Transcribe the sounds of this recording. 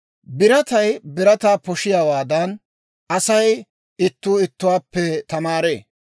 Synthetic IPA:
bɪɾɐt̪ɐjbɪɾɐt̪aːpɔʃɪjaːwaːd̪ɐn | ʔɐsɐj | ɪt̪ːuːɪt̪ːʊwaːpːɛt̪ɐmaːɾḛː

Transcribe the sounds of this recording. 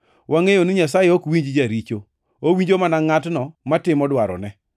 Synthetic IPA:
waŋejonɪɲas̬ajɛokwiɲd͡ʒd͡ʒaɾit͡ʃo | owiɲd͡ʒomanaŋatnɔmatɪmɔdwaɾɔ̰nɛ

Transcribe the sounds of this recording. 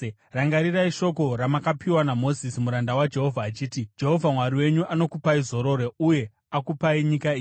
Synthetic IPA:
raŋɡaɾiraiʃo̞ko̞ɾamakapiwanamo̞zisimuɾandawad͡ʒe̞ɦo̞vʱaːt͡ʃiːtid͡ʒe̞ɦo̞vʱamwaɾiwe̞ɲuʔano̞kupaizo̞ɾo̞ɾeuje̞ | akupaiɲikaiːji

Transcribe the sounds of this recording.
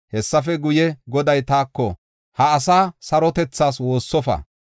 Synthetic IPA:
hɛsːɐfɛɡʊjɛɡɔd̪ɐjt̪aːkːɔ | hɐːs̬aːsɐɾɔt̪ɛt͡sːaːs̬wo̞ːsːɔfɐ̰

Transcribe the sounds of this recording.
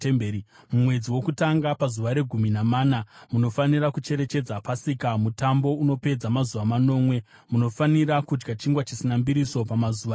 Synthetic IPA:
mː | mumwe̞d͡ziwo̞kutaŋɡapazuʋaɾe̞ɡʱuminamaːnamuno̞faniɾakut͡ʃe̞ɾe̞t͡ʃe̞d͡zapasikamutambo̞uno̞pe̞d͡zamazuʋamano̞ːmwe̞ | muno̞faniɾakud͡ʒɡat͡ʃiŋɡwat͡ʃisinambiɾiso̞pamazuːʋa

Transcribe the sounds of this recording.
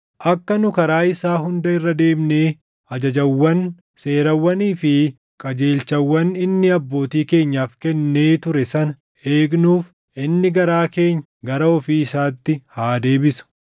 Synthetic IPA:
ʔɐkːɐnʊkɐɾaːɪsaːɦʊnd̪ɐɪrːɐd̪e̞ːmne̞ː | ɐd͡ʒɐd͡ʒɐwːɐn | se̞ːɾɐwːɐniːfɪ | kʼɐd͡ʒe̞ːlt͡ʃɐwːɐnɪnːɪɐbːo̞ːt̪iːke̞ːɲːaːfkɛnːeːt̪ʊɾɛsɐnɐ | e̞ːɡnuːf | ʔɪnːɪɡɐɾaːke̞ːɲː | ɡɐɾɐɔfiːɪsaːt̪ːɪhaːd̪e̞ːbɪsʊ̥

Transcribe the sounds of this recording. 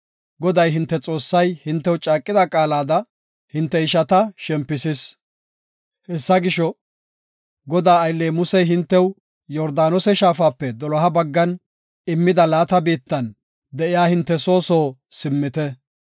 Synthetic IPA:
ɡɔd̪ɐjɦɪnt̪ːɛt͡sʼo̞ːsːɐjhɪnt̪ːɛwt͡ʃʼaːkʼːɪd̪ɐkʼaːlaːd̪ɐ | hɪnt̪ːɛɪʃɐt̪ɐʃɛmpːɪsɪs | hɛsːɐɡɪʃɔ | ɡɔd̪aːɐjlːeːmʊsɛjɦɪnt̪ːɛw | jɔɾd̪aːnɔsɛʃaːfaːpːɛd̪ɔlɔɦɐbɐɡːɐn | ɪmːɪd̪ɐlaːt̪ɐbiːt̪ːɐn | d̪ɛʔɪjaːhɪnt̪ːɛso̞ːso̞ːsɪmːɪt̪ɛ

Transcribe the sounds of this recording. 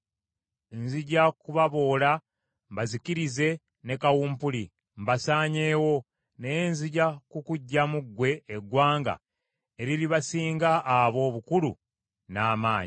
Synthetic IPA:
enziɟakuβaβo̞ːla | mbazikiɾize̞ | ne̞kawuːmpuli | mbasaːɲe̞ːwo̞ | nejenziɟakukuɟːamuɡwe̞ːɡwaːŋɡa̰ | e̞ɾiliβasiːŋɡaʔːβo̞ːβukulṵ | naːmaːɲi

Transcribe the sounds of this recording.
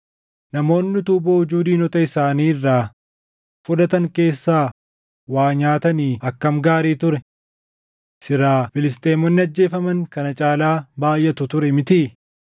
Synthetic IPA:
nɐmo̞ːnːɪt̪uːboʊd͡ʒuːd̪iːnɔt̪ɐɪsaːniːɪrːaː | fʊd̪ɐt̪ɐŋke̞ːsːaː | waːɲaːt̪ɐniːɐkːɐmɡaːɾiːt̪ʊɾɛ | sɪɾaːfɪlɪs̬t̪eːmɔnːɪɐd͡ʒːe̞ːfɐmɐŋkɐnɐt͡ʃʼaːlaːbaːjʔːɐt̪ʊt̪ʊɾɛmɪt̪i

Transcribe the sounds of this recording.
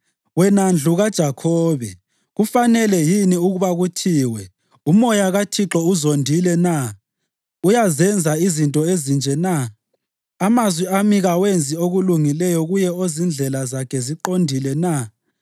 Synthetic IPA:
wɛnand͡ɮʱuɣad̥ʒ̥ʱakʰɔːβɛ̰ | ɣufanɛlɛjiniuɣuβaɣutʰiːwɛ | umɔjaɣatʰiǁɔuzondʱilɛna | ujazɛnd͡zʱaizintʼɔezind͡ʒʱɛnaː | mazwiamiɣawend͡zʱioɣuluŋilɛjɔɣujɛozind͡ɮʱɛlazakʰɛziǃondʱilɛna

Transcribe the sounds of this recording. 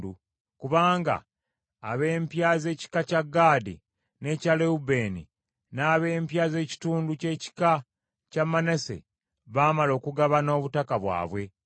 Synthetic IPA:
du | kuβaːŋɡa̰ː | βe̞ːmpjaːze̞ːci̥kacaɡːaːdḭ | ne̞caleube̞ːnḭ | naːβe̞ːmpjaːze̞ːci̥tuːnduce̞ːci̥ka | camːanese̞̰ | βaːmalo̞ːkuɡaβano̞ːβutakaβwa̰ːβwe̞

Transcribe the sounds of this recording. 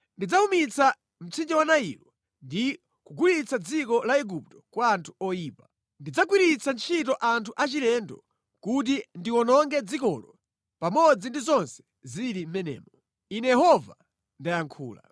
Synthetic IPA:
ndid͡zaumit͡sa | m̩t͡sʰind͡ʒɛwanaḭlɔ | ndi | kuɡulit͡sad͡zikɔlaɛɡup̚tɔ̥kwaːntʰu̥ɔjiːpa | ndid͡zak̬wiɾit͡sant͡ʃʰitɔʔantʰuʔat͡ʃilɛndɔ̰ | kut̬indiwɔnɔŋɡɛd͡zikɔlɔ | pamɔd͡zindizɔnsɛ̥ | ziɾim̩mɛnɛ̰ːmɔ | inɛjɛhɔva | ndajaŋkʰṵːla̰

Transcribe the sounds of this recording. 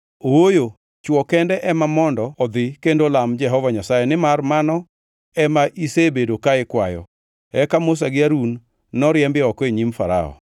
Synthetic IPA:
owojo | t͡ʃwɔkɛndɛʔɛmamɔndɔɔd̪ɪkendolamd͡ʒɛɦɔvaɲasajɛnɪmarmanɔ | ɛmaʔisebedokaɪkwajɔ̰ | ɛkamʊs̬aɡɪaɾunː | ɔɾjɛmbɪɔkɔeɲimfaɾa̰ɔ̰

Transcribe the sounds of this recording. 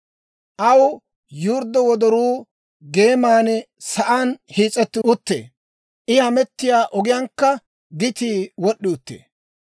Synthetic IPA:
ʔɐw | juːɾd̪ːɔwɔd̪ɔɾuː | ɡe̞ːmaːnɛ | sɐʔaːnhiːt͡sʼːɛt̪ːɪʊt̪ːḛː | ʔɪhɐmɛt̪ːɪjaːʔɔɡɪjɐŋkːɐ | d̪ɪt̪iːwɔɗːɪʊt̪ːḛː

